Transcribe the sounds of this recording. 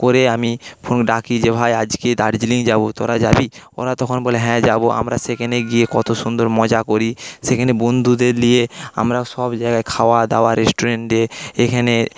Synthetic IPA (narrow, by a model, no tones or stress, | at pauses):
koɾeamipʰonɖakʰid͡ʑebʱajad͡ʑked̪a̰ɾd͡ʑiliŋd͡ʑabot̪oɾad͡ʑabio̰ɾat̪ɔkʰonboleɦɛ̃d͡ʑaboʔa̰mɾasekʰaneɡiekɔt̪oʃund̪oɾmɔd͡ʑakoɾisekʰanebond̪ʱud̪eɾlijea̰mɾaʃɔbd͡ʑajɡaekʰaoad̪aoaɾesʈoɾeɳʈeekʰane